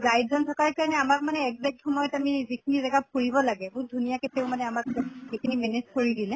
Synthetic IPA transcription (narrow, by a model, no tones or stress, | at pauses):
zajtzɔntʰɔkaɹkaɹɔnɛamakmanɛɛkzɛk̚txɔmɔjɔtamizikʰinizaɡap̚ʰoɹibɔlaɡɛbʊdʱunijakɛteʊmanɛamakzikʰinimɛnezkoɹidilɛ